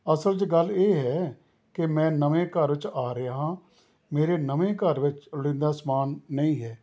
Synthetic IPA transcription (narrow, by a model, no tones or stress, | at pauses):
əsəld͡ʒəɡəlːeːɦɛː | kɪmɛ̃ːnəʋẽːkəɾʋɪt͡ʃaːɾɪaːɦãː | meːɾeːnəʋẽːkəɾʋɪt͡ʃʊɽɪ̃ːnd̪aːsmaːnːəĩːɦɛː